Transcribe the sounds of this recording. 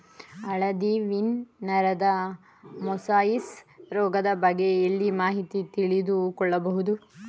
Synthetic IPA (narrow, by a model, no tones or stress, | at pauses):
ɐɭɐd̪iʋinːɐɾɐd̪ɐ | mɔsaːjisɾɔːɡɐd̪ɐbɐɡeɐlːimaːɦit̪it̪iɭid̪ukɔɭːɐbɐɦud̪u